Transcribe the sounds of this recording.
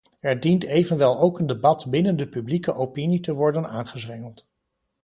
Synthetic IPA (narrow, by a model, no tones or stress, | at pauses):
ɛɹdintejvənʋɛlˠowkəndebɑtbɪnəndəpyblikəʔowpinitəʋɔɹdənaːnχəzʋɛŋəlˠt